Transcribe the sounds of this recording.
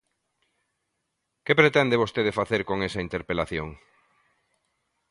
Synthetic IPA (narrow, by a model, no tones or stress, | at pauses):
kepɾet̪ɛnd̪eβost̪eðefaθeɾkoŋesɐint̪eɾpelaθjoŋ